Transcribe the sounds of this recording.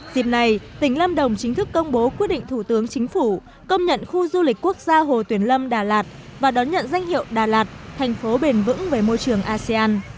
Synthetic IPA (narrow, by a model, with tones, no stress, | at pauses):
zi˨˩p̚na˨˩jt̪ï˧˩ŋ̟lə˧mɗə˨˩wŋ͡mt͡ɕï˨˦ŋ̟t̪ʰɨ˦˥kːə˧wŋ͡mɓo˨˦kwi˦˥t̚ɗḭ˧˨ŋ̟t̪ʰu˧˩t̪ɨ˨˦əŋt͡ɕï˨˦ŋ̟fu˧˩ | kə˧wŋ͡mɲə̰˧˨nxu˧zu˧li˨˩k̟̚ku˦˥ək̚zaː˧ɦo˨˩t̪wənlə˧mɗaː˨˩laː˨˩t̚vaː˨˩ɗɔ˨˦nɲə̰˧˨nza˧jŋ̟hḭ˧˨əwɗaː˨˩laː˨˩t̚t̪ʰɛ˨˩jŋ̟fo˨˦ɓe˨˩nvɨ̰˧˥ŋveː˨˩mo˧jt͡ɕɨ˨˩əŋʔaː˧sɛ˧aː˧n